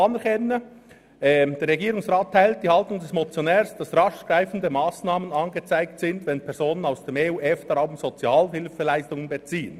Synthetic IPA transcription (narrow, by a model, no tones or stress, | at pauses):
ɑnɛɾkʰɛnə | d̥eːɾːɛɡiːɾʊŋsʁaːtʰːaɪlt̚d̥iːhɑltʊŋdɛsmot͡sjonɛːɾsd̥ɑsʁɑʃɡ̥ɾaɪfn̩dəmaːsnaːmənɑnɡət͡saɪk̚tsɪndvɛnpʰɛɾzoːnənaʊsd̥eːmeːuːʔɛfd̥ɑɾaʊmz̥ot͡sjɑːlɦɪlfəlaɪstʊŋənbət͡siːən